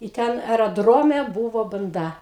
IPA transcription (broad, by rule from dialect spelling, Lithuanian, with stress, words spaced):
ɪ ˈtʲɛn ɛrɐˈdroːmʲɛ ˈbuːʋoː bɐnˈdɐ